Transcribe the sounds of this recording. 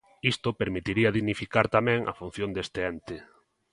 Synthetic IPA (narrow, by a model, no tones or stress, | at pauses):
ist̪opeɾmit̪iɾiɐðiɣnifikaɾt̪amɛ̃ŋʔa̰fun̟θjond̪est̪eɛnt̪ɪ